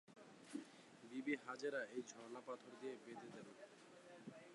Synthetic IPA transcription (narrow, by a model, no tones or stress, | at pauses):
bibiɦad͡ʑeɾaejd͡ʑʱɔɾnapat̪ʰoɾd̪iebet̪ed̪eɾo